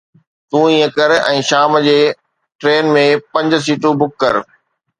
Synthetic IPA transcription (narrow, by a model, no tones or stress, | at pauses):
t̪ũːĩːə̃kəɾɛ̃ːʃaːmd͡ʑeː | ʈɾeːnmẽpɐ̃ɲd͡ʑs̬iːʈubʊkːəɾ